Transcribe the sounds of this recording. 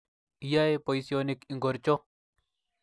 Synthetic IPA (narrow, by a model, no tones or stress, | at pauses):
ijaepojsionikiŋɡoɾt͡ʃo